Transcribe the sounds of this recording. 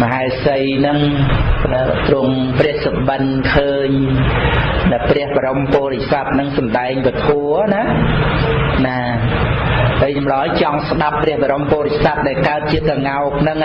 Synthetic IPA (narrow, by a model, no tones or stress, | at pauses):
məɦaɛsəjnɨŋ | t̪rʊəŋprɛəhsəɓənkʰəːɲ | ɗɨprɛ̆əhɓaɾompɔːɾecsat̪̚nɨŋsɑmɗaɛŋʋət̪ʰuəna | na | pəjt͡ɕɑmɗɑjt͡ɕɑŋsɗapːrɛ̆əhɓaɾompɔːɾec̚sat̪̚ɗaɛlkaət̪̚t͡ɕiəkaŋaɔk̚nɨŋ